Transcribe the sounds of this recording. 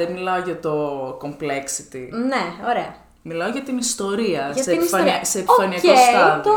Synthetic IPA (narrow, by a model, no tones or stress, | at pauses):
enmilɐoʝɐt̪o̞ko̞mpleksit̪ineoɾeɐ | milɐoʝɐt̪inist̪o̞ɾiɐsɐeifɐniɐseːpfɐniɐkost̪ɐlo